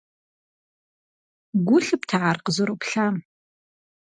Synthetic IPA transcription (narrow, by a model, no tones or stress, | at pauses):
ɡʷʊɬɨptʰaʕarqəzoɾowpɬaːm